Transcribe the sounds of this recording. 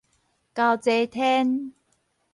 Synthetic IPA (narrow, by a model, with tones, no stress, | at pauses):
ka˧wt͡se˧t̪ʰɛ˦˥n